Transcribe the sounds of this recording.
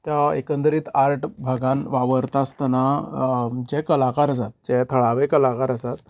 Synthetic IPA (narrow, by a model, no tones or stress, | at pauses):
t̪jaḛkə̃nd̪əɾiːt̪aɾʈbʱaɡãnʋaʋəɾt̪ast̪na | d͡ʑɛkəlakaɾəsat̪̚d͡ʑɛt̪ʰəɭaʋekəlakaɾəsat̪